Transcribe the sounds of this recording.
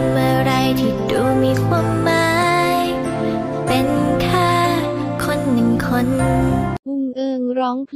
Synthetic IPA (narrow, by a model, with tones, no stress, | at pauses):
mɯ˧˩ɾa˧jt̪ʰiː˧˩duː˧˩miː˧kʰwu˧˩mːaː˦j | pe˧nkʰaː˥˩ | kʰo˧˥nːɯ˨˩ŋkʰo˧˥n | ʔɯː˧˩ʔɯː˧˩ɾɔː˦˥ŋpʰ